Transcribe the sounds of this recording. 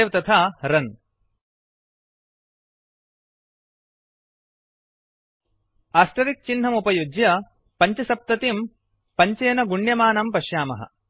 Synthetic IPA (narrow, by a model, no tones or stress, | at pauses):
ʋt̪ɐt̪ʰaːɾɐn | aːsʈɐɾik̚t͡ʃinɦɐmupɐjud͡ʒjɐ | pɐɲt͡ʃɐsɐp̚t̪ɐt̪im | pɐɲt͡ʃeːnɐɡuɳɖjɐmaːnɐmpɐʃjaːmɐ̰ɦɐ̰